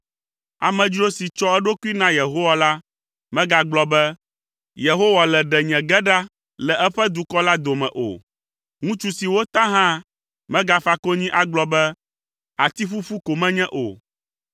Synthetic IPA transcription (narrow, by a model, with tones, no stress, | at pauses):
a̰˨mɛ̃˨d͡ʑi˦o˦si˨t͡ʃɔ˦ɛ˦ɖo˦ku˦i˦nã˦je˨ɦo˦wa˨la˦ | mɛ̃˦ɡa˦ɡ͡blɔ˨bɛ˦ | je˨ɦo˦wa˨lɛ˨ɖɛ˨ɲɛ̃˨ɡɛ˦ɖa˦ | lɛ˨ʔɛ˦ɸɛ˦d̪u˨kɔ˦la˦d̪o˨mɛ̰̃˨ʔo̰˨ | ŋũ˦t͡ʃu˦si˨wo˦t̪ã˦ɦã˦ | mɛ̃˦ɡa˨fa˨ko˦ɲĩ˦ʔa˨ɡ͡blɔ˦bɛ˦ | a˨t̪i˦ɸu˦ɸu˦ko˨mɛ̃˦ɲɛ̃˦ʔo̰˨